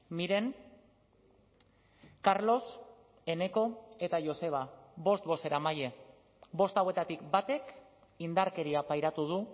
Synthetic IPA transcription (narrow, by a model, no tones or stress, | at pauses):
miɾe̞ŋ | kaɾlo̞s | e̞ne̞ko̞e̞t̪aʝo̞se̞β̞abo̞st̪̚bo̞se̞ɾamaje̞ | bo̞st̪awe̞t̪at̪ikbat̪e̞k | ind̪aɾke̞ɾiapajɾat̪uð̞u